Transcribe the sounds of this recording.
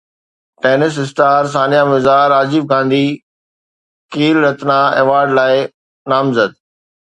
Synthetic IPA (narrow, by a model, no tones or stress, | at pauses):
ʈeːnɪs̬ɪsʈaːɾs̬aːnijamɪzaːɾaːd͡ʑɪbɡãːnd̪i | keːlɾɐt̪nãḛːʋaːɾɖlaːɪ | naːmzəd̪̚